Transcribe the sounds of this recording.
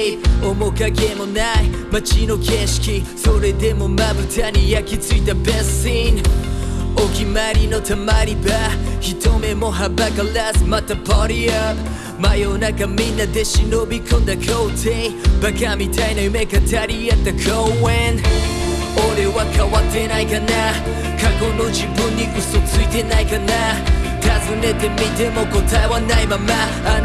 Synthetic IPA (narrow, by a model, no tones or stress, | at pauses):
omokakemonaj | mɐt͡ʃinokʰɛʃkʰisoɾed̪emomabutʰanijakit͡sit̪ɐbɛssin | okimaɾinot̪ʰɐmaɾibahitʰomemoɦabɐkɐlɛsmɐt̪əpʰɑɾiɐp | majonakɐminɐd̪eʃinobikʰond̪ɐkʰowtʰebɐkʰamitʰajnamekɐtʰaɾiat̪ɐkʰowɛn | oɾewakʰawatenajkɐna | kʰakonod͡ʒibuniʔusot͡suitenajkɐnat̪ʰazunet̪emitemokotʰajwanajmama